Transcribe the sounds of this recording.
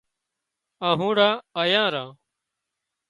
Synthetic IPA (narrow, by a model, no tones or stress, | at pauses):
ãːɦũːɽãːəjãːɾãː